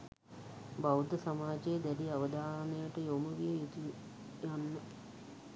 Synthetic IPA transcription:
bawd̪əsamaːd͡ʒejəd̪æliaʋəd̪ʱaːnejəʈəjomuʋijəjut̪u | janːə

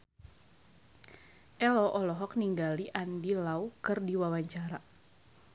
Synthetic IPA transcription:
ʔɛlɔʔɔlɔɦɔk̚niŋɡaliʔandilaukɨrdiwawaɲt͡ʃaɾa

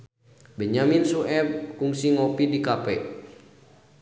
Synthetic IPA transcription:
bɛɲaminsuʔɛb̚kuŋsiŋɔpidikapɛ

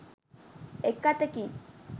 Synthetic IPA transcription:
ekːat̪eki

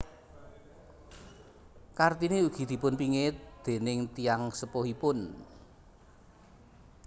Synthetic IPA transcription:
kart̪ineuɡ̥i̤d̪̥i̤pʊnpiŋɪt̪̚d̪̥e̤nɪŋt̪ijaŋsəpohipʊn

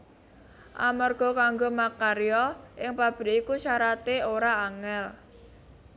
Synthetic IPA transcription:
ʔa̰marɡ̥ɔ̤kaŋɡomakaɾijɔʔɪŋpab̥ə̤ɾikusaɾat̪eoɾaːŋɛl

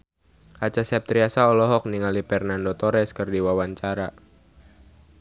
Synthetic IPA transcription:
ʔat͡ʃasap̚t̪ɾiasaɔlɔɦɔk̚niŋalipɛrnandot̪ɔɾɛskərdiwawaɲt͡ʃaɾa

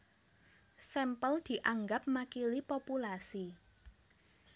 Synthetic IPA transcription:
sɛmpəld̪̥i̤ʔaŋɡap̚makilipopulasi

